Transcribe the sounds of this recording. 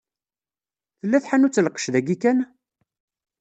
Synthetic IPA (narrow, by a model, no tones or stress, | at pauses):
θəlːæθħanut͡sːəlqːə̥ʃðæɡikæn